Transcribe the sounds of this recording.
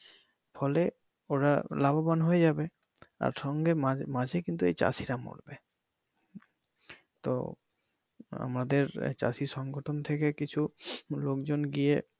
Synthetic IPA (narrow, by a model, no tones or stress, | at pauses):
fʰɔle | oɾa̰lababanɦojed͡ʑabe | a̰ɾʃɔŋɡemamad͡ʑʱekint̪uejt͡ɕa̰siɾamo̰ɽbe | t̪o̰ | a̰mɾad̪eɾt͡ɕa̰siʃɔŋɡoʈʰont̪ʰekekit͡ɕʰulokd͡ʑonɡije